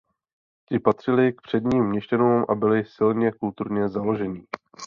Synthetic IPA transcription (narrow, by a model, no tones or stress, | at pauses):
cɪpat̪r̝̥ɪlɪk̚pr̝̥ɛd̪ɲiːmːɲɛʃcɛnuːmʔabɪlɪsɪlɲɛkult̪uɾɲɛzalo̞ʒɛɲiː